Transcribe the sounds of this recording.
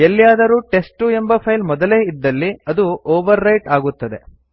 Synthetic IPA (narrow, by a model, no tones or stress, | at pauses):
elːijaːd̪ɐɾuːʈe̞sʈue̞mbɐpʰɐjlmɔd̪ɐle̞ːid̪ːɐlːiɐd̪uoːʋɐɾːɐjʈaːɡut̪ːɐd̪e̞̰